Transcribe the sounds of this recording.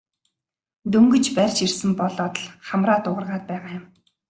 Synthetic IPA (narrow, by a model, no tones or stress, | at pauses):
t̪ɵŋɡɵ̆t͡ɕpærʲt͡ɕirsɘ̆mpɔɮɔːt̪ə̆ɮχamraːt̪ʊʁə̆rʁaːt̪̚pæːʁaːjʊ̆m